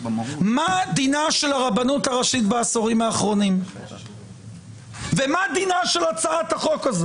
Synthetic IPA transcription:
mad̪inaʃelaʁabanut̪aʁaʃit̪baːsoʁimaːχʁo̞nim | vemad̪inaʃe̞lat͡saat̪haχo̞kaze

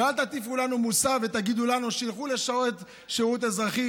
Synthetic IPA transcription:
alt̪at̪ifulanumusavet̪aɡid̪ulanuʃilχuleʃaoet̪ | ʃiut̪̬ezʁaχi

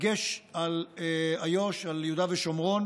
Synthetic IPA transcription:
ɡeʃalajoʃaljeud̪aveʃomʁo̞n

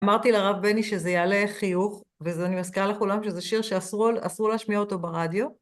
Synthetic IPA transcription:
amaʁt̪ileaʁavbe̞niʃezejaleχijuχ | vezeanimaskiʁaleχulamʃezeʃiʁʃeasʁulasuʁleaʃmiaot̪o̞baʁadjo̞

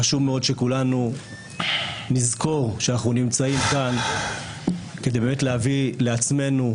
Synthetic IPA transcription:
aʃuvmeo̞dʃe̞kulanu | nizko̞ʁʃeanaχnunimt͡saimkan | kede̞jbemetleavile̞at͡sme̞nu

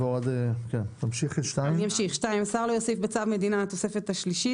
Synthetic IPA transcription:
veod̪kɛnt̪amʃiχiʃtaimijamʃiχʃtaimasaʁlojosifbet͡savmed̪inaːt̪osefet̪haʃliʃi

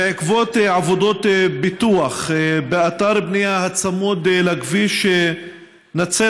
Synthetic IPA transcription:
ʕikvo̞t̪eʕavo̞d̪o̞tebit̪uaχbeat̪aɾbnijahat͡samud̪laɡviʃe | nat͡se

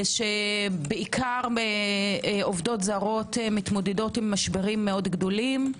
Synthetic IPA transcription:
ʃebeikʰaʁe | ovdo̞tzaʁo̞temit̪mo̞dedo̞timːaʃbeʁimːeo̞dɡdo̞lim

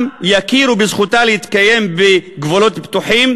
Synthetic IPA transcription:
jakiɾubezχut̪aleit̪kaje̞mbeɡvolo̞t̪pt̪uħim

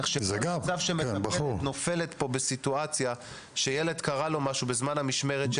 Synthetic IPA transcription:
ʃezeɡamavʃemeabuno̞fele̞t̪po̞besituat͡sja | ʃejeled̪kaʁalo̞maʃubezmanhamiʃme̞ʁetʃ

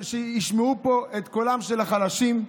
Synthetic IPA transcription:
ʃejiʃmeupo̞ʔet̪kolamʃelaχalaʃim

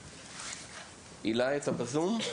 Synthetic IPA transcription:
ilaet̪abazum

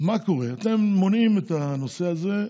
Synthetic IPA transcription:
mako̞ʁe̞at̪e̞mːonimet̪ano̞se̞aze̞

